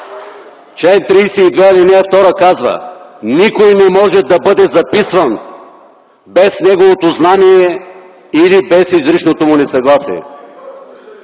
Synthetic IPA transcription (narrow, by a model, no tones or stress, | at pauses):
t͡ʃɛnt̪ɾijsɛid̪vɛɛlinɛɛft̪ɔɾəkazvə̰nikojnɛmɔʒɛd̪ɐbɤd̪ɛzɐpisvɐn | bɛsnɛɡovot̪oznaniɛ | ilibɛsizɾit͡ʃnot̪omʊnɛsɐɡlˠasḭɛ̰